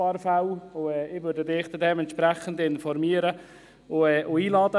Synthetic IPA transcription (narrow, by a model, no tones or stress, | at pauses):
ɑɾfawʊɛːɪʋʏɾdədɪχt͡sədɛːmɛnt̪ʃpɾɛχən̩dɪnfɔɾmiːəɾə | ʊɛːʔʊiːlɑːdə